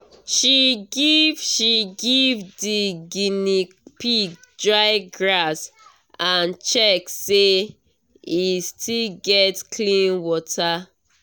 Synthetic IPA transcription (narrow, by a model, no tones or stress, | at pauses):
ʃiɡivʃiɡivdiɡini | pidɹaɪɡɹas | ãnt͡ʃɛkse | istʰilɡɛtkʰlĩnwɔtʰa